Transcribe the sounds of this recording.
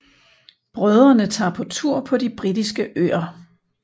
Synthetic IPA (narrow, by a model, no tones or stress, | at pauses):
b̥ʁœð̞ˠʁɐnət͡sʰɑ̰̈ːpʰɒ̽t͡sʰuɐ̰pʰɒ̽dib̥ʁid̥isɡ̥əʔø̰ːɐ